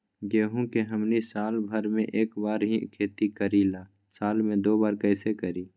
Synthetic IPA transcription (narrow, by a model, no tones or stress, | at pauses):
ɡeːɦũkeɦəmnisaːlbʱəɾmẽʔeːkbaːɾɦikʰeːt̪ikəɾilaː | saːlmẽd̪oːbaːɾkəɪsekəɾiː